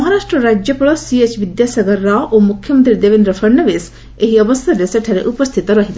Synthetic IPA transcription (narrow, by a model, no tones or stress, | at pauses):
mɔɦaɾasʈɾɔɾad͡ʒjɔpɔɭɔsiet͡ʃʋid̪jasaɡəɾːaʔomukʰːjɔmənt̪ɾid̪eʋend̪ɾɔpʰɐɾɳɔʋes | eɦiɔbɔst̪ʰaɾeseʈʰaɾeʔupɔst̪ʰit̪ɔɾɔɦid̪